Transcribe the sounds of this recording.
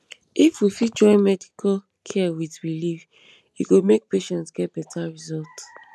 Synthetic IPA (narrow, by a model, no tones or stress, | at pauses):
ifwifid͡ʒɔ̃ɪ̃nmɛdikʰal | kʰɛawidɹilif | juɡomek̚peʃɛ̃ntsɡ̥ɛt̚b̥ɛtʰaɹizɔlt